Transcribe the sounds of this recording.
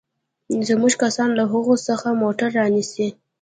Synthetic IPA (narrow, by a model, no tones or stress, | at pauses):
zmuʒkasɑnlaɦəɣosəxamoʈaɾːɑnisi